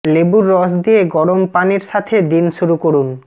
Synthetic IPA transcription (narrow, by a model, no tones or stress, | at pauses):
lebuɾːɔsd̪ijeɡɔɽompaneɾʃat̪ʰed̪inʃuɾukoɾun